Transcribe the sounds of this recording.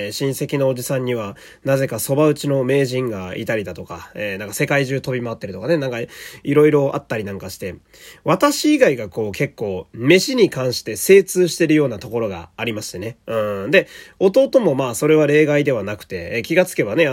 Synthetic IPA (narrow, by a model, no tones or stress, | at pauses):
ɕĩɰ̃se̞kʲino̞ːʑisãɲ̟ːiβ̞a | naze̞kaso̞baɯ̟t͡ɕino̞me̞ːʑĩŋɡaḭt̪aɾʲid̪at̪o̞kaeːnãŋkase̞kaiʑɨːt̪o̞bʲimaat̪ːe̞ɾɯ̟t̪o̞kane̞nãŋkaiɾo̞iɾo̞ʔa̰t̪ːaɾʲinãŋkaɕi̥t̪e̞ | βat̪aɕiːɡaiɡako̞ːke̞kːo̞ːme̞ɕiɲ̟ikãɰ̃ɕi̥t̪e̞se̞ːt͡sɨːɕi̥t̪e̞ɾɯ̟jo̞ːnat̪o̞ko̞ɾo̞ɡa̰ːɾʲimaɕi̥t̪e̞ne̞ɯ̟̃ɰd̪e̞o̞t̪o̞ːt̪o̞mo̞maːso̞ɾe̞β̞aɾe̞ːɡaid̪e̞βanakɯ̟̥t̪e̞kʲiɡat͡sɨ̥ke̞bane̞